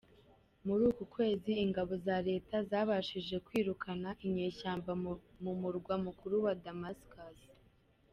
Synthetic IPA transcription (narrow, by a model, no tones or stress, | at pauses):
muɾuːkukwe̞ːziːŋɡaβo̞zaɾe̞ːtazaːβaʃiʒe̞kwiːɾukʰanaʔimɲe̞ːʃaːmbamumuɾɡwamukuɾuwadamaskaz